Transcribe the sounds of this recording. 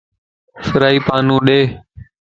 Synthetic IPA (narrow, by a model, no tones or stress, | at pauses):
səɾaːiːpaːnũːɗeː